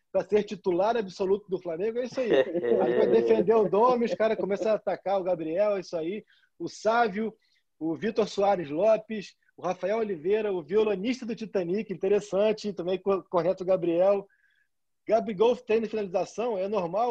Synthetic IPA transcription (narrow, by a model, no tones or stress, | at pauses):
pɾɐseɾt͡ʃit̪ulaɾabisolut̪ʊd̪ʊflamẽŋɡʊɛisaiapad̪efẽnd̪ewʊd̪õmɪʊʃkaɾɐkõmɛsɐaːt̪akaɾʊɡabɾiɛwɛisʊai | ʊsavjʊ | ʊvit̪oɾsuaɾɪzlɔpɪʃ | ʊhafaɛwolivejɾɐʊviolõniʃt̪ɐd̪ʊt͡ʃit̪ɐ̃nikĩt̪eɾesɐ̃t͡ʃɪt̪ɐ̃mbẽj̃kokonɛt̪ɐʊɡabɾiɛw | ɡ̥abɾiɡowft̪ẽj̃nɐfinalizasɐ̃w̃ɛnoɾmaw